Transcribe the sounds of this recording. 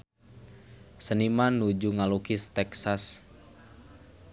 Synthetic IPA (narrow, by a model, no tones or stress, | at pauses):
sənimanud͡ʒuŋalukist̪ɛksas